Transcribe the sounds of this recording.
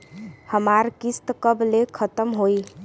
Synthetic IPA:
həmaɾkist̪kəblekʰət̪əmɦoj

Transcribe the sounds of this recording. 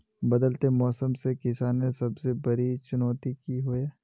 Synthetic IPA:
bɐd̪əlt̪emɔːsəmsekɪsaːnmẽsɐbsebɐɾit͡ʃʊnɔːt̪ikiɦoeː

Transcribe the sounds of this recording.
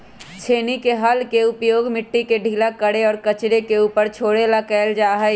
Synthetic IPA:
t͡ʃʰeːnikeɦəlkeʊpjoːɡmɪʈːikeɖʱiːlakəɽeɔːɾkət͡ʃɾekeuːpəɾt͡ʃʰoːɽelakɛɪld͡ʒaːɦəj

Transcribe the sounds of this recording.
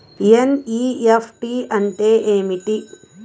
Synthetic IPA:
pieniːepʰʈiɐɳʈeːʔeːmiʈi

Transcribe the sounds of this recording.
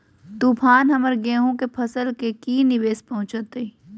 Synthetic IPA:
t̪uːpʰaːnɦɐməɾɡẽːɦũkepʰɐsəlkekiːnɪʋeːspɐɦʊ̃t͡ʃət̪e

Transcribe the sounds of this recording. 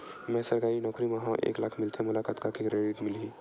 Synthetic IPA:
mɛ̃səɾkaːɾinɔːkɾimeɦãʔḛːklaːkʰmɪlt̪ʰemʊlaːkaːt̪kakekɾeɖiʈmɪlɦi

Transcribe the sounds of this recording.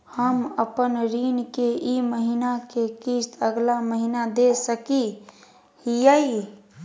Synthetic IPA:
həməpənɾiːnkeʔiməɦinakekist̪əɡlaməɦinad̪esəki | hijəi

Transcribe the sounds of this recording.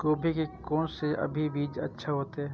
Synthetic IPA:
koːbʱikekɔːnseʔɐ̰bʱibiːd͡ʒɐ̰tːʃʰaɦoːt̪eɦɛː

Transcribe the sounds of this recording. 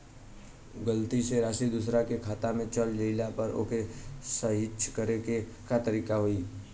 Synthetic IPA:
ɡəlt̪iseɾaːʃid̪ʊsɾakekʰaːt̪amẽt͡ʃəld͡ʒəɪlapəɾo̰ːkesəɦɪt͡ʃːʃkəɾeke | kat̪əɾiːkaɦoːiː

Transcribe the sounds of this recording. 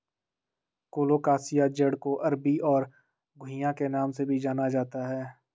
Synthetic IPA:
koːloːkaːsijad͡ʒəɽkoʔɐɾbiɔːɾ | ɡʱʊ̃ɪjãkenaːmsebʱid͡ʒaːnad͡ʒaːt̪aɦɛː

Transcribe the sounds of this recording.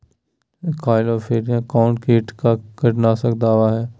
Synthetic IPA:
kʰaːɪlɔːfeːɾjãkaːʊ̃ɳʈkeːʈkakəʈnasəkd̪aːʋaɦɛː

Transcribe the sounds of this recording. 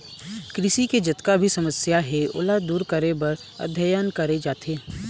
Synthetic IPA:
kɾɪʃiked͡ʒɐt̪kabʱisɐməsjaɦɛʊ̰lad̪uːɾkəɾebɐɾ | ɐ̰d̪ʱjəjənkɐɾed͡ʒaːt̪eː

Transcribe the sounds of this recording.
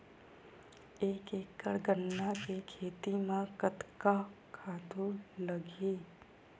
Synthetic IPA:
eːkeːkːəɽɡənːakekʰeːt̪imãkət̪kakʰaːt̪uləɡiː

